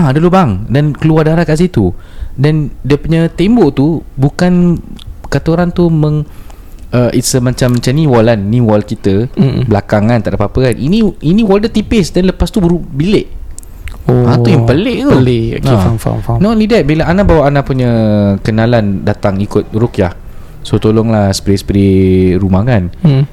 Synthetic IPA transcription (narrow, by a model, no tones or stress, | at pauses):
adalobaŋdankəluardaɾahkaʔs̬it̪udandiəpuɲat̪emboʔt̪ubukan | kat̪oɾant̪umə̃ŋ | əʔisəmãt͡ʃamːat͡ʃamniwɔlanːĩwɔlkit̪əbəlakaŋãnt̪aʔdapapəkanʔinĩinĩwɔldət̪ipɪsdanləpast̪ubəɾubilɪʔ | oãt̪ujaŋpəlɪʔleo̰eamfa̰fanɔlidɛt̪̚bilaanabawaʔanapuɲəkənalandat̪aŋikʊt̪̚rukjah | sot̪olɔŋlahsə̥pɾisə̥pəɾiɾumaŋan